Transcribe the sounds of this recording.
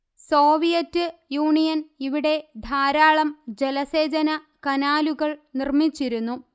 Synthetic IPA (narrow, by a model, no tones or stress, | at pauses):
so̞ːʋijɐtːɨjuːɳijɐniʋiɽe̞d̪ʱaːɾaːɭɐmd͡ʑelɐseːd͡ʑɐnɐ | kɐnaːluɣɐɭnirmit͡ɕːiɾunːu